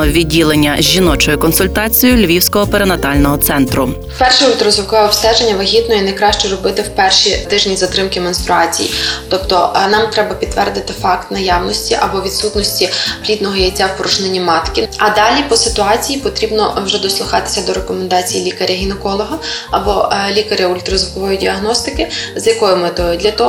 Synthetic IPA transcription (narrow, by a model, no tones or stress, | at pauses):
ɔʋʲidʲːilˠenʲːɐʒʲʒːinɔt͡ʃɔjʊkɔnsʊlʲt̪ɑt͡sʲijʊlʲʋʲiwsʲkɔɦɔpeɾenɐt̪ɑlʲnɔɦɔt̪sɛnt̪ɾʊ | wpɛrʃɛid̪ɾɔzʊkʋɛɔpst̪ɛd͡ʒenʲːɐʋɐɦʲid̪nɔinɐjkɾɑʃt͡ʃɔɾɔbɪt̪ɪwpɛrʃit̪ɪʒnʲizɐt̪ɾɪmkɪmɔnst̪ɾʊɑt͡sʲḭjḭt̪ɔpt̪ɔnɑmt̪ɾɛbɐpʲidt̪tːʋɛrd̪ɪt̪ɪfɑkt̪nɐjɑwnɔsʲtʲiʔɐbɔʋʲid̪sut̪nɔsʲtʲilʲid̪nɔɦɔjɐt͡sʲːawpɔɾut͡ʃnenʲːimɑt̪kʲɪɐd̪ɑlʲipɔsɪt̪ʊɑt͡sʲijipɔt̪ɾʲibnɔwʒɛd̪ɔslˠʊxɑt̪ɪ̥sʲɐd̪ɔɾekɔmend̪ɑt͡sʲijilʲikɐɾʲɐɦʲinɛkɔlˠɔɦɐɐbɔlʲikɐɾʲjɐʊlʲt̪ɾɔzʋʊkɔʋɔjʊdʲiɐɦnɔst̪ɪkɪzjɐkɔjʊmɪt̪ɔjʊd̪ʲlʲɐt̪ɔ